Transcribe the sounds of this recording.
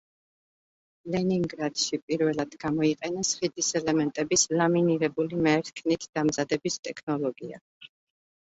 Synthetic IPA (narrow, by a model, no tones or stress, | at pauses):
lɛniŋɡɾad̪̥ʃipʼiɾvɛlˠad̪̥ɡamɔiqʼɛnasχid̪isɛlɛmɛnt̪ʼɛbislaminiɾɛbulimɛɾt̪kʰnit̪ʰd̪̥amzad̪ɛbist̪ʼɛkʰnɔlˠɔɡia̰